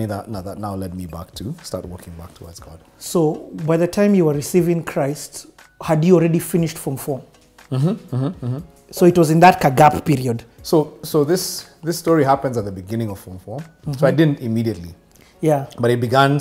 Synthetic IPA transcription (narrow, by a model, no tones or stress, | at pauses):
iðə̰tⁿnaðətⁿnaʊlɛd̚mibæ̰k̚tʰɨstɑɹt̚wɜ̰˞kɪ̃ŋbæ̰k̚tʰəwa̰zɡ̥ɑ̰d̥ | soʊbaɪðɨtʰãɪ̃mjɨwə˞ɹɨsivɪ̃ŋkʰɹ̥aɪst | hɨdhil̩ˠɹɛɾifɪ̃nɪʃtfɹʌ̃ɱfɔm̩ | soʊɨt̚wʌzɨ̃nðɨt̚kʰaɡappiɹiɨdsoʊsoʊðɪsðɪsːtɔɹiɦæpɨ̃ndzət̪̚ðəbɨɡɪ̃nɪ̃ŋʌv̥fɔ̃ɱfɔmsoaɪdɪdⁿn̩tɨmiɾiɨtˡlḭ | jæb̥ʌɾɨt̚b̥ɨɡæ̃n